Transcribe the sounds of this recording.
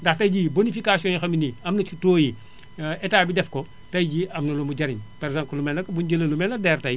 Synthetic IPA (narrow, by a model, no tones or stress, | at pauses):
ndɐxtɐjɟibonifikasiɔ̃jxɐminiɐmnɐt͡ʃutoːji | ɛtaːbidɛfkɔ | tɐjɟiɐmnɐlumuɟɐɾiɲpɐɾɡzãmklumɛnɐkbunɟəlɐlumɛnɐdɛːrtɐj